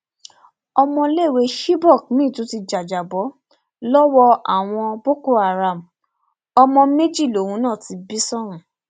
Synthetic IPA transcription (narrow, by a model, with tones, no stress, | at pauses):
ɔ˧mɔ̃˧le˦˨we˧˦ʃi˦bɔ˦˨k̚mĩ˦˨tu˨˦ti˧d͡ʒa˨d͡ʒa˨bɔ˨˦ | lɔ˦wɔ˧ʔa˨w̃ɔ̃˧bo˦ko˦a˨ɾa˨m̩˨ | ɔ˧mɔ̃˧me˦d͡ʒi˦˨lo˨hũ˨˦nãː˦˨ti˧bi˦sɔ̃˦ũ˨